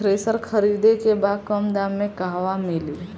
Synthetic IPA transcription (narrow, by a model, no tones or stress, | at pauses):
ɾeːsəɾkʰəɾiːd̪ekebaːd̪̚kəmd̪amːẽkaːɦʋamɪli